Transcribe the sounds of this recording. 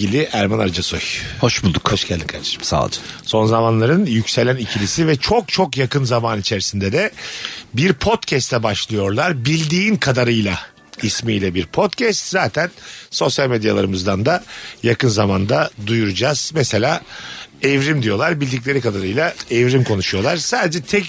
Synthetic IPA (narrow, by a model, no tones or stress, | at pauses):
ilʲiʔæɾmanaɾd͡ʒasojhoʃbulˠd̪ukoʃɟɛlʲd̪inkʰa̰ɾd̪ḁʃmsa̰ːlˠd͡ʒɯso̞nzamanlˠaɾɯnjycselʲænicʰilʲisivɛt͡ʃʰo̞kt͡ʃʰo̞kjakɯnzamaːnit͡ʃʰeɾisind̪ɛd̪ɛbiɾpʰo̞t̪cʰɛst̪ʰɛbaʃlˠɯjo̞ɾlˠaɾbilʲd̪iːnkʰad̪aɾɯjlˠa | ismijlʲɛbiɾpʰo̞t̪cʰɛst̪zaːt̪ʰænso̞sjalʲmed̪jalˠaɾɯmɯzd̪and̪ajakɯnzamand̪ad̪ujuɾud͡ʒaz̥mɛse̞lʲaːɛvɾimd̪ijo̞lˠaɾbilʲd̪ic̬lʲe̞ɾikad̪aɾɯjlˠaɛvɾimkʰo̞nuʃujo̞lˠaɾ̥saːd̪ed͡ʒɛt̪ʰɛc